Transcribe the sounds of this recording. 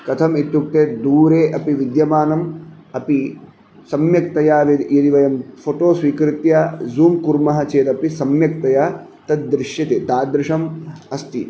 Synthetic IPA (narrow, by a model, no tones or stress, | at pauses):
kɐt̪ʰɐmit̪juk̚t̪eːd̪uːɾeːʔɐpiʋid̪jɐmaːnɐm | ɐpi | sɐmjɐk̚t̪ɐjaːʋɐd̪jɐd̪iʋɐjɐmfʰoʈoːsʋiːkɾɪt̪jaːzuːmkuɾmɐɦɐt͡ʃeːt̪ɐpisɐmjɐk̚t̪ɐjaː | t̪ɐt̪̚d̪ɾɪʂjɐt̪eːt̪aːd̪ɾɪʂɐmɐst̪i